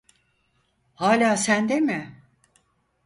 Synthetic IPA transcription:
haːlʲaːsænd̪emɪ

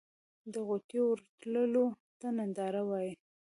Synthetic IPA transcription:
d̪əɣot̪jowəɾt̪ləlo | t̪anand̪ɑɾawɑji

